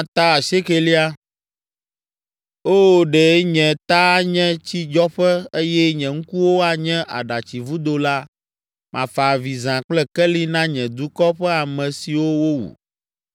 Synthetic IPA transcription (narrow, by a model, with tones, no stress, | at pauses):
ã˦t̪a˦a˨ʃe˦ke˨li˦a˦ | oː˦˨ɖɛ˨˦ɲɛ̃˨t̪a˦ɲɛ̃˦t͡ɕi˦d͡ʒɔ˦ɸɛ˦e˦jɛ˦ɲɛ̃˨ŋ̩̃˦ku˦wo˦a˨ɲɛ̃˦ʔa̰˨ɖa˨t͡ɕi˨vu˦d̪o˦la˦ | mʔã̰˨fa˨vi˨zã˨k͡plɛ˦kɛ˦li˦nã˦ɲɛ̃˨d̪u˦kɔ˦ɸɛ˦a˨mɛ̃˨si˨wo˦wo˦wṵ˨